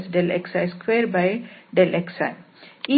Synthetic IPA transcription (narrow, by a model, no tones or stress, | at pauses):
sɖeleksaɪskʋeːɾbaɪɖelʔeksaɪ | i